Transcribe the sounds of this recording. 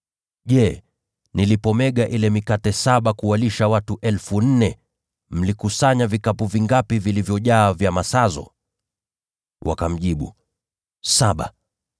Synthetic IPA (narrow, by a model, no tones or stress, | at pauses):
ʄɛ | nilipɔmɛɠaʔilɛmikatɛsaɓakuwaliʃawatuʔɛlfun̩nɛ | m̩likusaɲavikapuviŋɡapivilivjɔʄaːvjamasazɔ̰ | wʔa̰kam̩ʄiɓṵ | saɓa̰